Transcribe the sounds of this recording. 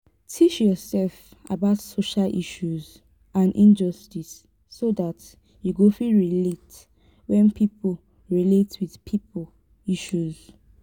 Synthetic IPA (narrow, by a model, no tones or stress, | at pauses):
tʰit͡ʃjɔsɛlf | a̰baʊtsoʃalʔḭʃuz | ãnʔĩnd͡ʒɔstisː | odat | juɡofiɹilet | wɛ̃npʰipo | ɹiletwið̥pʰipo | iʃuz